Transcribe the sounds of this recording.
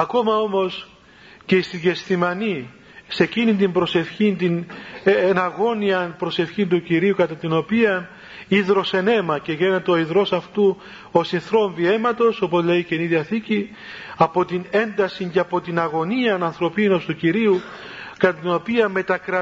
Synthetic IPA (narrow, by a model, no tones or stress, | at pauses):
ɐko̞mɐo̞mo̞s | ce̞ist̪iʝe̞st̪imɐni | se̞cinint̪̬imbɾo̞se̞fçint̪inenɐɣo̞niɐnpɾo̞se̞fçint̪uciɾiukɐt̪ɐt̪ino̞piɐn | iðɾo̞se̞ne̞mɐce̞ʝenet̪eoiðɾo̞sɐft̪u | o̞sinθɾo̞ɱvie̞mɐt̪o̞so̞po̞zle̞iceniðiɐθici | ɐpo̞t̪ine̞nd̪ɐsiɲceɐpo̞t̪inɐɣo̞niɐnɐnθɾo̞pino̞st̪uciɾiu | kɐt̪ɐt̪ino̞piɐme̞t̪ɐkɾɐ